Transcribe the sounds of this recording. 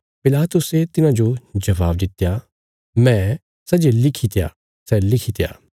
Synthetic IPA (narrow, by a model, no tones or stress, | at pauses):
pɪlaːt̪ʊset̪ɪnãd͡ʒod͡ʒɐʋaːb̚d̪ɪt̪ja | mɛ̃ | sɐd͡ʒelɪkʰit̪eja̰ | sɛlɪkʰit̪ja̰ː